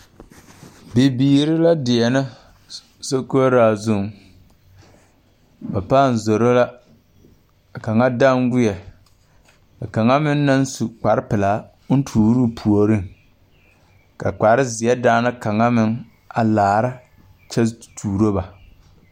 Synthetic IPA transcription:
bɪ˨biː˨ɾɪ˦la˦dɪ˨ɛ˨na˦ | so˦ko˦ɾaː˦˨zʊ˦˨ŋ | ba˨paː˦˨n˨zo˨ɾo˦la˦˨ | ka˨ŋa˦da˦ŋɡʊ˦jɛ˨ | ka˨ka˨ŋa˦mɪ˦nː˦a˦n˦su˨k͡pa˨ɾɪ˦pɪ˨la˨˦ | n̩˦tʰuː˨˦ɾu˦˨pʰu˨o˨ɾɪ˦˨ŋ | ka̰˨k͡pa˨ɾɪ˦zɪ˨ɛ˦daː˦na˦ka˨ŋa˦mɪ˦ŋ | a˨laː˨ɾa˦ | t͡ʃɛ˦tuː˨ɾo˦ba˨

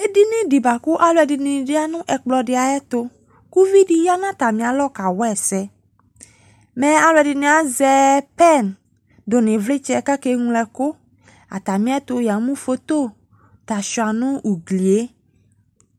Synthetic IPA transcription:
e˦di˦nẽ˦di˨ba˨ku˦ʔa˨lo˦˨ɛ˨di˨nĩ˨dɪ˦a˦nũ˦ʔɛ˨k͡plɔ˨ɖɪ˨a˨ɛ˦t̪o˦ | ku˦vi˦ɖi˦ja˦nã˦t̪a˨mĩ˨a˨lɔ˦ka˨wɛ˦˨sɛ˦ | mɛ̃˨a˨lo˨ɛ˨di˨nẽ˨˦a˨zɛ˦pɛ˦n | do˨nẽ˨vle˦t͡ʃɛ˦˨ka˦ke˦ŋũ˦lɛ˨ko˦ | a̰˨t̪a˨mĩ˦a˦t̪o˨ja˨mũ˦fo˦t̪o˦˨ | t̪a˨ʃu˨a˨nũ˦u˨ɡli˨e˦

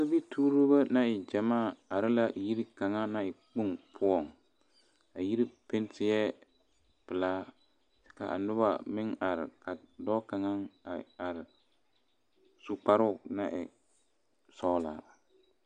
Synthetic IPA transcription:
si˦bi˦tʰuː˦ɾo˦ba˦na˦ɪ˨d͡ʒa˨maː˦˨a˨ɾɪ˦la˦˨ji˦ɾi˦ka˨ŋa˦na˦ɪ˨k͡pu˦ŋpʰʊ˦ɔ˦˨ŋ | a˨ji˦ɾi˦pɪ˦n˦tɪ˦jɛ˦ | pɪ˨la˦ | tɪ̥˨ka̰˨ʔa̰˨nʊ˦ba˨mɪ˦ŋa˨ɾɪ˨ka˨dɔ˦ka˨ŋa˦ŋ˨a˨ɾɪ˨ | su˨k͡pa˨ɾʊ˦˨na˨ʔɪ̰˨ | sɔ˦la̰˨

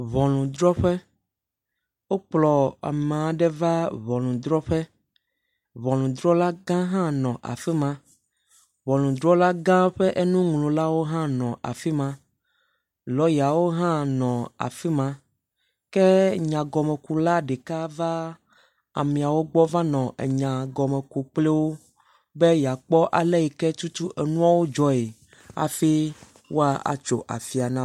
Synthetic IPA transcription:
βɔ̃˨lũ˨d̪ɾɔ˦ɸɛ˦ | wo˦k͡plɔ˨a̰˨mẽ˨a˨ɖɛ˦va˦βɔ˨lũ˨d̪ɾɔ˦ɸɛ˦ | βɔ̃˨lũ˨d̪ɾɔ˦la˦ɡã˦ɦã˦nɔ̃˨ʔa̰˨fi˦mã˦ | βɔ̃˨lũ˨d̪ɾɔ˦la˦ɡã˦ɸɛ˦ʔe˦nũ˦ŋlõ˨la˦wo˦ɦã˦nɔ̃˨ʔa̰˨fi˦mã˦ | lɔ˦ja˨wo˦ɦã˦nɔ̃˨a̰˨fi˦mã˦ | kɛ˦ɲã˨ɡɔ˨mɛ˨ku˨la˦ɖe˨ka˦va˦ | a̰˨mĩ˨a˨wo˦ɡ͡bɔ˦vã˦nɔ̃˨ʔḛ˨ɲã˨ɡɔ˨mɛ̃˨ku˨k͡ple˦wo˦ | be˦ja˨k͡pɔ˦ʔa˨lɛ˦ji˨kɛ˦t͡ʃu˦t̪u˦ʔe˨nũ˦a˨wo˦d͡ʒɔ˦e˨ | a̰˨fe˦ | wo˦a˨ʔa̰˨t͡ʃo̰˨ʔa̰˨fi˨a˨nã˦

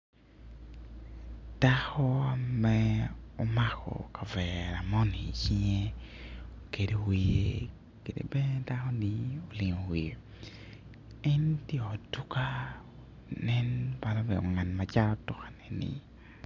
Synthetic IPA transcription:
d̥a˦xɔ˦a˨mɛɔ˦ma˦kʰɔ̰˨ka˨vɛ˨ɾa˨mɔ˦ni˨t͡ʃi˦ŋe˦ | ke˨de˨wi˨je | ke˨dḛ˨bɛ˦n˦da˦xɔ˦nio˨lɪ˨ŋo˨wi˨ | ɛ˦ntje˦ɔ˨tu˦ka˦ | nɛ˦nba˨nɔ˦bɛ˨o̰˨ŋa˨nma˨t͡ʃa˦ɾɔ˦tʊ˦kḁ˨nɛ˨nɪ̰˨

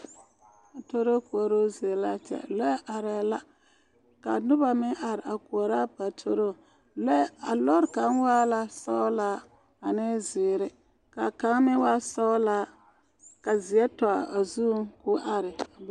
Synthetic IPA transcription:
a˨to˦ɾo˦ku˨o˨ɾo˦zi˨ɛ˨la˦t͡ʃɛ̰˨lɔ˦ʔa˨ɾɛ˨la˦ | ka˨nʊ˦ba˨mɪ˦ʔa˨ɾɪ˨a˨ku˨ɔ˨ɾa˦pa˨tʰo˦ɾo˦˨ | lɛ˦a˨lɔ˦ɾka˨˦nwa˦la˦sa˦la˦ | a˨nɪ˦zɪː˨ɾɪ˦ | ka˨ka˨˦ŋ˦mɪ˦wa˦sa˦la˦ | ka˨zi˨ɛ˦tɔ˨a̰˨a˨zu˦ku˦ʔa˨ɾɪ˨

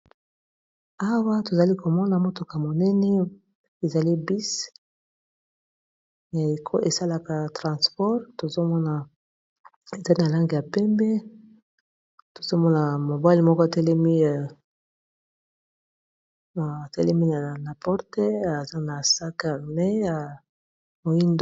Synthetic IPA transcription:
a˦wa˦to˨za˨li˦ko˨mɔ˦na˨mo˦to˨ka˨mo˨nɛ˦nɛ˦ | e˨za˨li˦bi˦s | na˨kʰo˦ʔe˨sa˦la˨ka˨tʁã˨spɔ˦ʁto˨zo˦mɔ˦na˨ | e˨za˦i˦na˨la˦ŋɡe˨ja˨pɛ˦mbɛ˦ | to̥˨zo˦mɔ˦na˨mo˨ba˦li˨mɔ˦kɔ˦a˨tɛ˦lɛ˦mi˦˨ | tɛ˦lɛ˦mi˦na˨na˨pɔ˦ʁte˦a˨za˦na˨sa˦ka˦˨mɛ˦a˨ | mo˨ji˦nd

